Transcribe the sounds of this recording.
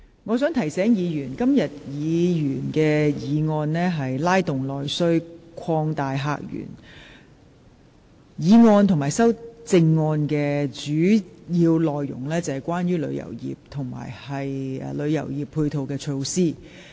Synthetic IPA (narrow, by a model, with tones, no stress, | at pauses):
ŋɔː˨˧sœː˨˥ŋt̪ʰɐ˨˩jsɛː˨˥ŋjiː˨˧jyː˨˩nkɐ˥mjɐ˨t̚jiː˨˧˨jyː˨˩nkɛː˧jiː˨˧ŋɔː˧nlɛː˥ɦɐ˨jlaː˥jt̪ʊ˨ŋlɔː˨jsɵ˥ɥkʰɔː˧ŋt̪aː˨jɦa̰ː˨k̚jy̰ː˨˩n | jiː˨˧ŋɔː˧nt̪ʰʊ˨˩maː˨˩jsɐ˥wt͡sɪ˧ŋːɔː˧nkɛː˧t͡ʃyː˨˥jiː˧wlɔː˨jːʊ̰˨˩ŋlɛː˥t͡sɐ˨˧hɐ˨˩jkʷwʷaː˥njyː˥lɵ̰˨˧˥ɥjɐ̰˨˩wjḭː˨p̚t̪ʰʊ˨˩ŋma̰ː˨˩jhɐ˨jɛ˨˧lɵ˨˧ɥjɐ̰˨˩wjiː˨˩pʰːuː˧jt̪ʰo˨˧wkɛː˧t͡ʃʰo˧wsiː˥